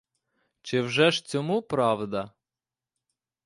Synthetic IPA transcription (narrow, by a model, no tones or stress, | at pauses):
t͡ʃɪwʒɛʒt͡sʲɔmupɾɑwd̪ɐ